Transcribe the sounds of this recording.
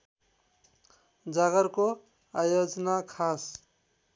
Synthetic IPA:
d͡ʒaɡʌɾko | ajod͡znakʰas

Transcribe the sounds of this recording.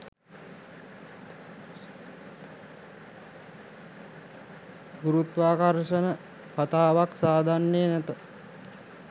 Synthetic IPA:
ɡuɾut̪ʋaːkarʂənə | kat̪aːʋaksaːd̪ʱanːejənæt̪ə

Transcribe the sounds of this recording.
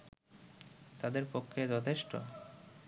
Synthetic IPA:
t̪ad̪eɾpokʰːed͡ʑɔt̪ʰeʃʈo̰

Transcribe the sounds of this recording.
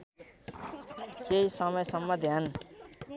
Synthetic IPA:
keisʌmʌjsʌmːʌd̪ʱjan

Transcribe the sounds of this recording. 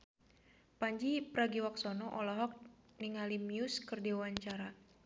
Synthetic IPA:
paɲd͡ʒipɾaɡiwaksɔnɔʔɔlɔɦɔk̚ | niŋalimjuskɨrdiwaɲt͡ʃaɾa

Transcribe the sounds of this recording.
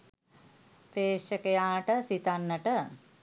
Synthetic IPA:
peːʂəkejaːʈəsit̪anːəʈə

